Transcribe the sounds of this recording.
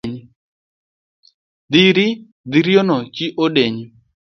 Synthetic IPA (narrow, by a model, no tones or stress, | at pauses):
ɲi | d̪iɾi | d̪iɾjonɔkiʔoɗeɲi